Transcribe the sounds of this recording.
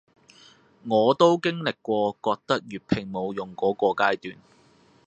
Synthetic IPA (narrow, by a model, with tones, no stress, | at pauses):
ŋɔː˨˧t̪o˥wkɪ˥ŋlɪ˨kːʷɔː˧kɔː˧k̚t̪ɐ˥k̚jyː˨t̚pʰɪ˧ŋmo˨˧wjʊ˨ŋkɔː˨˥kɔː˧kaː˥jt̪yː˨n